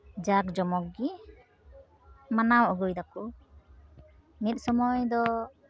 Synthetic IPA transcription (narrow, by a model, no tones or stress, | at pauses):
d͡ʒak̚d͡ʒɔmɔk̚ɡi | manawɔɡujd̪aku | mit̪̚sɔmɔjd̪ɔ